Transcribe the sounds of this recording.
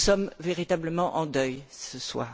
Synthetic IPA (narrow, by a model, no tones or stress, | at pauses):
sɔmveʁit̪abləmɑ̃ʔɑ̃d̪œjsəswa̰ː